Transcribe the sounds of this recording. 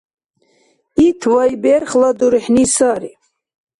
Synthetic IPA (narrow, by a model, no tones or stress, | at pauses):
it̪ʰvajbɛɾχlad̪uɾħnisaɾi